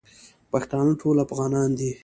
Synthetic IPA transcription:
paxt̪ɑnaʈʰolafɣɑnɑnd̪i

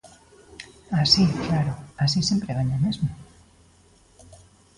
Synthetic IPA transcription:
asiklaɾoas̬isje̞mpɾeɣaɲamezmo

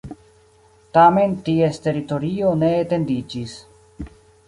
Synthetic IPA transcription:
tame̞ntieste̞ɾito̞ɾio̞ne̞ːte̞ndid͡ʒis

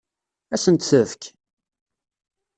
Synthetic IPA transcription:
æsənt̪θəvk

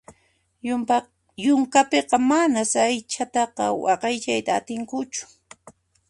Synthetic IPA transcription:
jʊŋkapeqɑmanasajt͡ʃat̪ɑqɑ̰wɑ̰qɑjt͡ʃajt̪aːt̪ɪŋkʊt͡ʃʊ̥

